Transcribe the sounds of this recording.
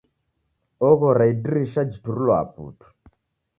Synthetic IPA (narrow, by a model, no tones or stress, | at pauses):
ɔɣɔɾaidiɾiʃad͡ʒituɾulɔa̰pṵtʰu̥